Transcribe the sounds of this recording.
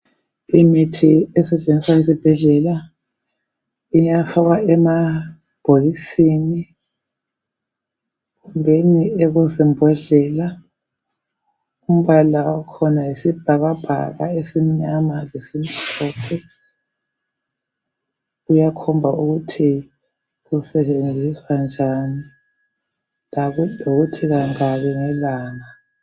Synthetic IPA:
imitʰiɛsɛt͡ʃʼenʱiswajesib̥ʱɛɮɛla | iɲafaɣwaɛma | b̥ʱolisini | ɣumbʱeniɛɣɔzimbʱɔɮɛla | um̩βalawakʰɔnaisib̥ʱaɣab̥ʱa̰ɣa̰esimiɲamalesim̩tʰɔpʰɛ | ujakʰɔmbʱauɣutʰi | ɣusɛt͡ʃʼend͡zʱiswand͡ʒʱani | lloɣutʰiɣaŋaβɛŋɛlaːŋa

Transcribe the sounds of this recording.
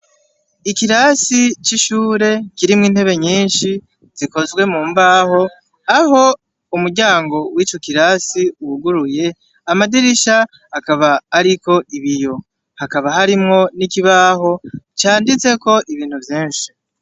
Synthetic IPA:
ikiɾasit͡ʃiʃuːɾe̞ciɾimŋiːn̥e̞βe̞ɲiːnʃi | z̥iko̞zɡwe̞muːmbaːho̞ | aɦo̞ | umuɾɟaːŋɡo̞wiːt͡ʃo̞kiɾaːsiuwuɡuɾuje̞ | amadiɾiʃa | hakaβaːɾiko̞ʔiβijo̞ | hakaβahaɾimŋo̞nikiβaːɦo̞t͡ʃaːndit͡se̞ko̞ʔiβiːn̥huvjiːɲʃi̥

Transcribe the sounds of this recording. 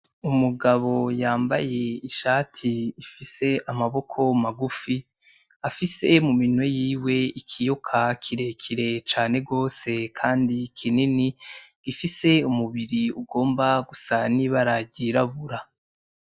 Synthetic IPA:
umuɡaβo̞jaːmbaje̞iʃaːtʰiːfise̞ʔamaβo̞kʰo̞maɡufi | afise̞muminwe̞jiːwe̞ikʰijokʰakʰiɾe̞kʰiɾe̞t͡ʃaːne̞ɡo̞ːse̞kʰaːndikʰininiɡ̥ifise̞umuβiɾiuɡo̞ːmbaɡusaniβaɾaɟiɾaβuɾa

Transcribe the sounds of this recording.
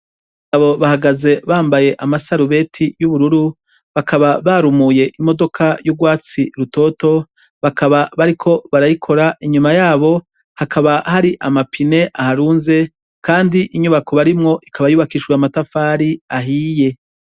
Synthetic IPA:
aβo̞βahaɡaze̞βaːmbaje̞ʔamasaɾuβe̞tʰijuβuɾuɾu | βakaβaβaːɾumuje̞ʔimo̞do̞kʰajuɡwaːt͡siɾuto̞ːto̞ | βakʰaβaβaɾikʰo̞βaɾajikʰo̞ɾaʔiɲumajaːβo̞ | hakʰaβahaɾiʔamapʰine̞ʔahaɾuːnze̞ | kaːndiʔiɲuβako̞βaɾimŋo̞ʔikʰaβajuːβakiːʃwamatafaːɾiaɦiːje̞

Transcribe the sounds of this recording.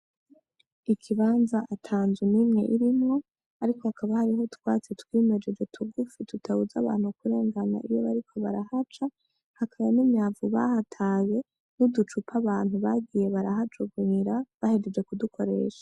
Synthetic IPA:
ikʰiβaːnzaʔatʰaːnzwinimŋe̞̰ʔiɾimŋo̞ | aɾiko̞hakʰaβahaɾiɦotwat͡setwiːme̞d͡ʒe̞d͡ʒe̞tʰuɡufitutʰahuzaβa̰ːn̥hukuɾe̞ːŋɡana̰ʔijo̞βaɾikʰo̞βaɾahat͡ʃa | hakʰaβanimɲaːvuβa̰hatʰaje̞ | nudut͡ʃupʰaβaːn̥huβaɡije̞βaɾaɦat͡ʃuɡuniɾaβahe̞d͡ʒed͡ʒwe̞kudukʰo̞ɾe̞̰ːʃḁ

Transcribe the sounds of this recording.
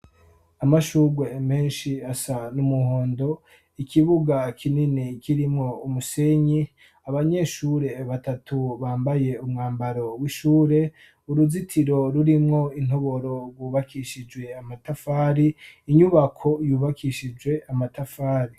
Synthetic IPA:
amaʃuɡweme̞ːnʃiasanumuhoːndo̞ | ikʰiβuɡakʰininikʰiɾimŋo̞umuseɲi | aβaɲe̞ʃuɾe̞βatatʰuβaːmbaje̞umŋaːmbaɾo̞wiʃuːɾe̞ | uɾuzitʰiɾo̞ɾuɾimŋo̞in̥ho̞βo̞ɾo̞ɾɡwuːβakʰiʃid͡ʒwe̞amatafaːɾiːɲuβakʰo̞juːβakʰiʃid͡ʒwe̞amatafaːɾi

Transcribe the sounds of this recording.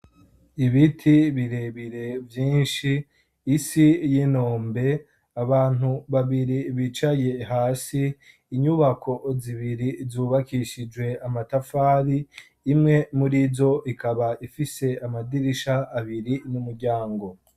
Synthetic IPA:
iβitʰiβiɾe̞βiɾe̞vjiːnʃiː | sijino̞ːmbe̞ | aβaːn̥uβaβiɾiβit͡ʃaje̞ɦaːsiː | ɲuβakʰo̞ziβiɾizuːβakiʃid͡ʒwe̞amatafaːɾiː | mŋe̞muɾizo̞ʔikaβaifise̞amadiɾiʃaːβiɾinumuɾɟaːŋɡo̞

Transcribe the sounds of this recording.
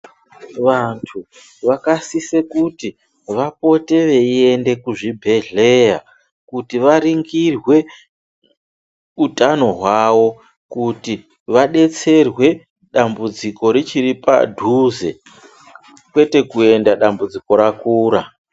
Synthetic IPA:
ʋantʰu | ʋakasisekuti | ʋapo̞te̞ʋe̞ie̞nde̞kuʐibʱe̞ɮe̞ja | kutiʋaɾiŋɡirwe̞ | utano̞ɦwawo̞ | kuti | ʋaɗe̞t͡se̞rwe̞ | ɗambud͡ziko̞ɾit͡ʃiɾipa̰dʱuze̞̰ | kwe̞te̞kue̞ndaɗambud͡ziko̞ɾakuːɾa

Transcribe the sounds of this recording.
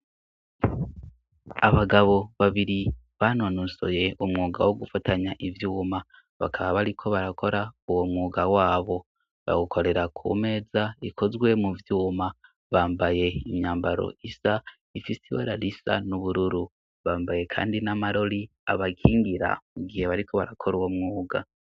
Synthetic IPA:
aβaɡaβo̞βaβiɾiβanonuso̞̰je̞omŋuːɡawo̞ɡufataɲaʔivjuːma | βa̰kʰaβaβaɾikʰo̞βaɾako̞ɾauwo̞mŋuːɡawaːβo̞ | βa̰ɡukʰo̞ɾe̞ɾakʰṵme̞ːzaikʰo̞zɡwe̞muvjuːma | βaːmbaje̞imɲaːmbaɾo̞̰isa | ifisiwo̰ɾaɾisa̰nuβuɾuɾu | βaːmbaje̞kʰa̰ːndinamaɾo̞ɾi | a̰βakʰiːŋɡiɾa̰muɡihe̞βaɾiko̞βaɾakʰoɾuwomŋuːɡa

